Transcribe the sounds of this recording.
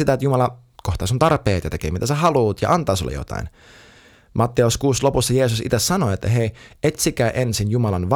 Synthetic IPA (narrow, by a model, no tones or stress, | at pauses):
it̪æet̪jumɑlɑ | koht̪ɑːsunt̪ɑrpeːt̪jɑt̪ekḛːmit̪æsehɑluːt̪jɑ̰ʔɑnt̪ɑːsuolɑ̰jo̰t̪ɑ̰in | mʔɑt̪ːeuskuːslopusːɑjeːsusḭt̪essɑnoet̪ːæɦeiet̪sikæːʔensinjumɑlɑnʋ